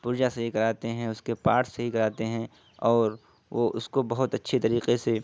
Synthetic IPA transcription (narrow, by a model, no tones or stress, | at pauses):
pʊɾd͡ʒasɐɦikɐɾaːt̪eɦɛ̃ʊskepaːɾʈsɐɦikɐɾaːt̪eɦɛ̃ | ɔːɾ | ʋoʔʊskobɐɦʊt̪ɐtːʃʰet̪ɐɾiːqese